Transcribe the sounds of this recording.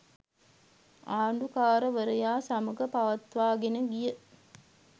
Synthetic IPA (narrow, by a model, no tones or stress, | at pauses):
aːɳɖukaːɾəʋəɾəjaːsɐməɡəpaʋɐt̪ʋaːɡenəɡijə